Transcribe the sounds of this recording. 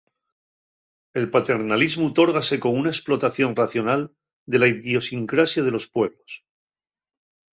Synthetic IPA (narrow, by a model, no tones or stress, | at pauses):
e̞lpat̪e̞ɾnalizmuot̪o̞ɾɣ̞ase̞ko̞ŋunaesplo̞t̪aθjo̞nraθjo̞nal | d̪e̞laiðjo̞siŋkɾasjaðe̞lo̞spwe̞βlo̞s